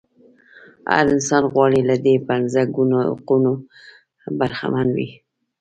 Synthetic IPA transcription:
a̰ɾɪnsɑnɣwɑɽilad̪epanzaɡuno̰quno | baɾxa̰manwḭ

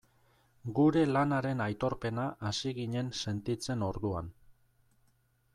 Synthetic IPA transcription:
ɡuɾe̞lanaɾe̞najt̪o̞ɾpe̞naʔːsiɣiɲe̞nse̞nt̪it͡se̞no̞ɾðuan

